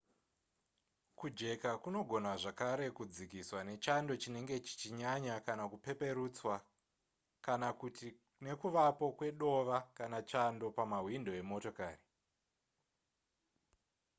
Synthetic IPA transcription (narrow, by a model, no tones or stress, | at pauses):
kud͡ʒe̞kakuno̞ɡʱo̞naʐakaɾe̞kud͡zikiswane̞t͡ʃando̞t͡ʃine̞ŋɡet͡ʃi̥t͡ʃiɲaɲakanakupe̞pe̞ɾut͡swa | kanat | ne̞kuʋapo̞kwe̞ɗo̞ʋakanat͡ʃando̞pamaɦwindo̞e̞mo̞to̞kaːri